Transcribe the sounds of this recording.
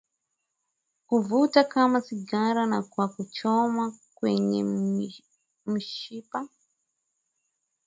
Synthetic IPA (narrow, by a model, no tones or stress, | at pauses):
kuvutakamasiɡaɾanakwakut͡ʃɔmakwɛɲɛ | m̩ʃipa